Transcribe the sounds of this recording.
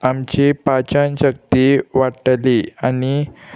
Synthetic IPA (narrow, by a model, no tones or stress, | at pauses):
amt͡ɕepat͡ɕanɕək̚t̪iʋaʈəliani